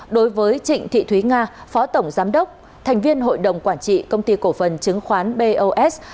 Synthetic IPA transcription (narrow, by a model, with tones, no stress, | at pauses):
ɗo˨˦jvəː˨˦jt͡ɕḭ̈˧˨ŋ̟t̪ʰḭ˧˨t̪ʰwi˨˦ŋaː˧fɔ˨˦t̪ə˧˩wŋ͡mzaː˨˦mɗə˦˥wk͡p̚ | t̪ʰɛ˨˩jŋ̟vi˧ənɦo̰˧˨jɗə˨˩wŋ͡mkwaː˧˩nt͡ɕḭ˧˨kə˧wŋ͡mt̪i˧ko˧˩fə˨˩nt͡ɕɨ˨˦ŋxwaː˨˦nɓe˧ʔo˧ʔɛ˦˥s